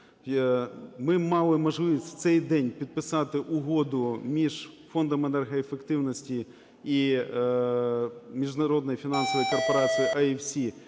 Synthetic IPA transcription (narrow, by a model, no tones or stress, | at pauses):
mɪmɑlˠɪmɐʐlˠɪʋʲisʲtʲt̪sɛjd̪ɛnʲpʲid̪̚pɪsɑt̪ɪʔʊɦod̪ʊmʲiʒfond̪ɐmenɛrɦɐefekt̪ɪwnɐsʲtʲi | i | mʲiʒd̪nɐɾod̪nɔjifʲinɑnsɔʋɔjukɔrpɐɾɑt͡sʲijiʔɐifsʲi